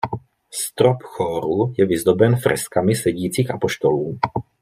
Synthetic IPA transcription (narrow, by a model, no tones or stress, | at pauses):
st̪ɾɔpxɔːɾujɛʋizd̪ɔbɛnfɾɛ̰skamisɛɟiːt͡siɣapɔʃt̪ɔluː